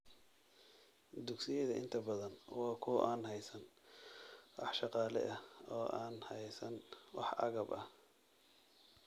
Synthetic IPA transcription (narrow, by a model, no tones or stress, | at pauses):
d̪ʊɡsɪjɛðɐʔɪ̰nt̪ʰɐbɐðɐnwɑːkʰʊʔaːnɦɛjsɐn | wɑ̰ħʃɑqɑːlɛ̰ʔɐɔːʔaːnhɛjsɐnwɑ̰ħɐ̰ɣɐbɐh